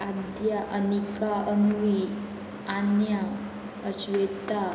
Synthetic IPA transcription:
ad̪ʱjaʔənikaənʋi | anja | əɕʋet̪a

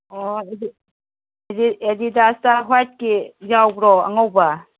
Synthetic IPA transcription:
ɔedi | ediedidastaɦajt̚kizawbɾɔa̰ŋawba

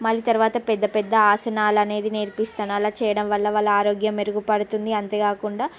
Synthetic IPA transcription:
mɐlːit̪ɐɾuʋaːt̪ɐpɛd̪ːɐpɛd̪ːɐaːsɐnaːlɐne̞ːd̪ineɾpist̪ɐnaːlaːt͡ʃɛːjɐɽɐmʋɐlːɐʋalːɐaːɾoːɡjɐmeɾuɡupɐɽut̪und̪iɐnt̪eːɡaːkuɳɖaː

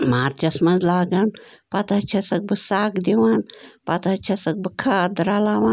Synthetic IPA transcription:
maːɾd͡ʒɐsmɐnzlaːɡanpɐt̪ɐt͡ʃʰɐsɐk̚bɨsaːkd̪iʋaːnpɐt̪ɐt͡ʃʰɐsɐk̚bɨkʰaːd̪ɾaːlaːʋa

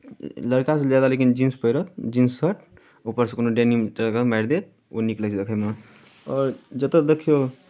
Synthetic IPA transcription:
ləɾkased͡ʒalalekind͡ʒinspəjɾət̪̚d͡ʒinsːəʈ | opəɾskonoɖenimʈekəmaɾd̪et̪̚ | oniklɛt͡ʃʰd̪ekʰəjme | ɔːɾd͡ʒət̪əd̪ekʰijo

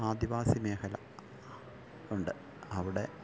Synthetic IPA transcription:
aːd̪iʋaːsimeːxɐlɐ | uɳɖɨ | ɐʋiɽe̞

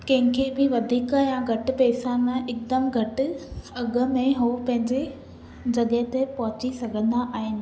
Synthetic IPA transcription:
kɐ̃ɦɪ̃kʰeːbɪʋɐd̪ʱiːkəjãɡʱɐʈ̆pɛːsanãʔɪkd̪əmɡʱɐʈɪ̆ɐɡʊ̆mẽɦupɐ̃ɦɪ̃ɲd͡ʑe | d͡ʑɐɠət̪epɐɦʊt͡ɕisɐɡʱə̃nd̪aʔaːɦɪnɪ̆

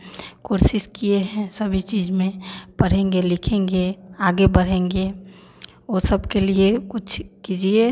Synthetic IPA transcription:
koɾsɪskijeɦɛ̃səbʱit͡ʃid͡ʒmẽpəɽ̤ẽŋɡelɪkʰẽŋɡeaːɡebəɽ̤ẽːŋɡe | osəbkeliekʊt͡ʃʰkid͡ʒie

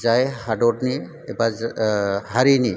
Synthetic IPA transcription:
zajhadɔdni | ɛba | haɾini

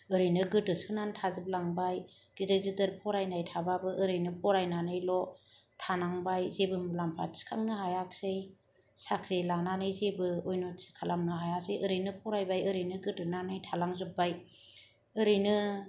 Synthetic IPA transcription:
ɯɾɯjnɯɡɯtɯsɯnantʰazɯb̚laŋbajɡ̥idɯɾɡidɯɾpʰɔɾajnajtʰababɯʔɯɾɯjnɯpʰɔɾajnanɯjlɔ | tʰanaŋbajzebɯmulampʰa̰tsi̥kʰaŋnɯhajaksɯj | sakʰɾilananɯjzebɯojnosi̥kʰalamnɯɦajasɯjʔɯɾɯjnɯpʰɔɾajbajɯɾɯjnɯɡɯtɯnanɯjtʰalaŋzup̚baj | ɯɾɯjnɯ

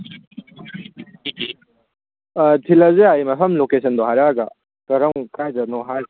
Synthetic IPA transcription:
tʰilɐzeajmɐpʰɐmlokesʰɐnd̪ɔɦaɾaɡɐ̰ | kɐɾɐŋkajdɐnɔɦaɾ

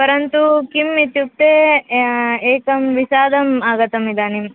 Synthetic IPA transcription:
pɐɾɐnt̪ukimːit̪juk̚t̪e | eːkɐmʋisaːd̪ʱɐmaːɡɐt̪ɐmid̪aːnim

